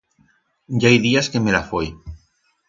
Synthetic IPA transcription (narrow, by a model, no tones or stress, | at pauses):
ɟ͡ʝaajðiaskemelafoj